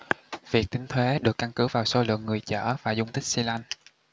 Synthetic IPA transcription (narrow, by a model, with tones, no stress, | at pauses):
vi˨˩k̚t̪ï˨˦ŋ̟t̪ʰwe˨˦ɗɨ˨˩kːa˧nkɨ˨˦vaː˨˩wso˧˦lɨ̰˧˨əŋːɨ˨˩əjt͡ɕə̰ː˧˩vaː˨˩zʊ˧wŋ͡mt̪ï˦˥k̚si˧la˧n